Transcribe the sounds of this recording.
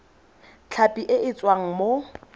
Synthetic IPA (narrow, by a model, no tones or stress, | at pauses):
t͡ɬʰapʼiʔɪʔɪt͡sʼwaŋ̩mo